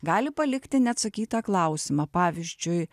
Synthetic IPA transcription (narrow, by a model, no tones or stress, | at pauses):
ɡɑːlʲɪpɐlʲɪkt̪ʲɪnʲɛɐt̪sɐkʲiːt̪ɑːklˠɐʊsʲɪmɑpɑːʋʲizʲd͡ʒʲʊɪ